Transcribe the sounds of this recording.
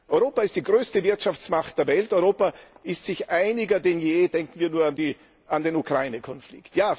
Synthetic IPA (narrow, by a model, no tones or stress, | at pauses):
ʔɔʏʁoːpaɪstd̥iːɡʁøːstəvɪɐtʃaft͡smaχtd̥eːɐvɛltɔʏʁoːpaɪstz̥ɪçʔaɪnɪɡɐdenjeːdɛŋkn̩viːɐnuːɐandiː | andeːnukʁ̥aɪnəkʰɔnflɪ̰ktjaː